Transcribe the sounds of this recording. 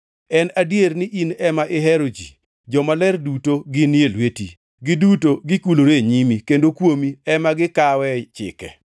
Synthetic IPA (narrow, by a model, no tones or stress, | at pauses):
ɛnadjernɪʔinɛmaʔɪɦeɾod͡ʒḭ | d͡ʒɔmalɛrdutoɡɪnjelwetḭ | ɡɪdutoɡɪkuloɾeɲimikendokwomiɛmaɡɪkawɛt͡ʃɪ̰kɛ̰